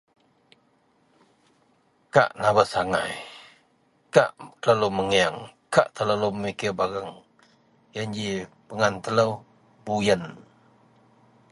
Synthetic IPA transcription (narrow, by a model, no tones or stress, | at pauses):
ka̰ʔnaβəsaŋa̰j | kaʔt̪ələluməŋiaŋkaʔt̪ələluməmikɪbaɣəŋ | jənd͡ʒi | pəŋant̪ələw | bujən